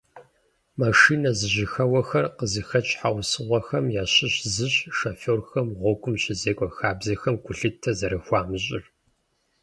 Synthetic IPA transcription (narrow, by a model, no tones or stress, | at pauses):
maʂiːnɐzɨʑɪxɐwɐxɐrqəzɨxɐt͡ʃʼħawsɨʁʷɐxɐmjaːɕɪɕzɨɕʃɐfoːrxɐmʁʷɔɡʷʊmɕɪzeːkʷʼɔxaːbzɐxɐmɡʷʊɬɨtʰːɐzɐɾɐxʷaːmɨɕʼɪr